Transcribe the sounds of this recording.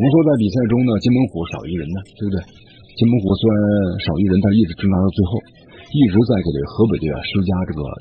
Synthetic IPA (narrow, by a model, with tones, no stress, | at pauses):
ʂwɔ˥t͡sa˥˩ɪp̬i˨˩sa˥˩ɪʈ͡ʂʊ˥ŋd̪ə˨t͡ɕɛ˥nmə˧˥nxwɔ˧˥ʂɑ˨˩ʊi˥ɻə˧˥nə˧t̪e˥˧˩bə˩we˥˩ | t͡ɕɛ˥nmə˧˥nxwɔ˧˥swnnʂɑ˨˩ʊi˥ɻə˧˥nt̪a˥˧˥i˥˩ʈ͡ʂɻ̩˧˥ʈ͡ʂɤ˥ŋt̪a˧˥˧t͡swe˥˧ɪxo˥˩ʊ | i˥˩ʈ͡ʂɻ̩˧˥t͡sa˥˩ɪke˧˨˩t̪wḛ˥˩xɤ˧˥p̬e˨˩ɪd̪ə˧˥˩a̰˧˩ʂɤ˥t͡ɕja˥ʈ͡ʂɤ˥˩ɡə̰˩